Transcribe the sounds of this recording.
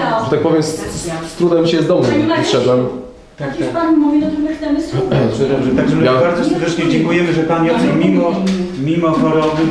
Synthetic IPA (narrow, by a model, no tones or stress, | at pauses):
ʐɛt̪ak̚pɔvjɛmssst̪ɾud̪amʲiɕɛjɛzd̪ɔmɛʂɛd̪wɛm | t̪akpaɲimuvʲiɔt̪ɪmɨxt̪sɛmɪst̪ɛɛɛt̪aɡʐɛmjabaɾd̪zɔsɛɾd̪ɛt͡ʂɲɛd͡ʑɛŋkujɛmɘʐɛpaɲiɔzɛmʲimɔmʲimɔxɔɾɔbɘ